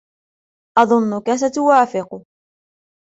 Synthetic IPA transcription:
ʔɑðˤʊnːʊkas̬at̪ʊwaːfɪqʊ

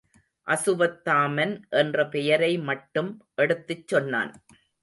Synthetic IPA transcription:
ʔɐsɯʋɐt̪ːaːmɐnʔɛndrɐpɛjɐɾɐɪmɐʈːɯmʔɛɽɯt̪ːɯt͡ʃːɔnːa̰ːn

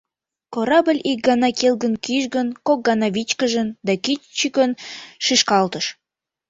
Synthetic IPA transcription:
koɾɑbə̆lʲik̚ɡɑnɑkelɡənkiʃɡə̆nkok̚ɡɑnɑβit͡ɕkəʒə̆nd̪ɑkit͡ɕikənʃiʃkɑlt̪əʃ

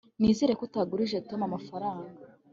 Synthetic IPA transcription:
niːziɾe̞kutaɡuɾiʒeto̞mamafaɾaːŋɡa

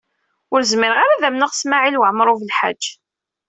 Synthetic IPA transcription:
ʊɾzmɪɾəʁaɾaðæmnəʁsmaʕilwəʕmɾˤʊvəlħa̰̥d͡ʒː

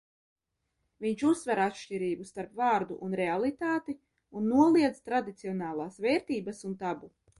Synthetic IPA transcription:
viɲt͡ʃusːvɛɾat̪ʃciɾiːbust̪aɾpvaːɾd̪uʔunɾealˠit̪aːt̪i | unːuɔlˠiɛd̪zt̪ɾad̪it̪siɔnaːlˠaːsvɛːɾt̪iːbasunt̪abu

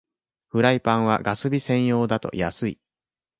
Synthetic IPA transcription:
ɸɯ̟ɾaipãɰ̃β̞a̰ɡasɨbʲisẽ̞ɰ̃jo̞ːd̪at̪o̞̰ja̰sɨḭ

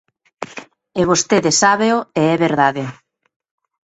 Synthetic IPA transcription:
eβ̞ost̪eðesaβeoeɛβeɾðaðe

